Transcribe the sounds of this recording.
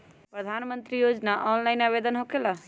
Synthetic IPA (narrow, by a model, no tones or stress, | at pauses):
pɾəd̪ʱaːnmə̃nt̪ɾijoːd͡ʒnaʔɔːnlaɪnaʋeːd̪ənɦokela